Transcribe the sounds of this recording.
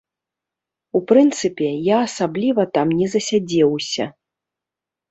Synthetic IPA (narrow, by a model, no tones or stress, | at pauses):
upɾɨnt̪sɨpʲɛjaːsablʲivɐt̪amnʲɛzɐsʲad͡zʲɛwsʲɐ̰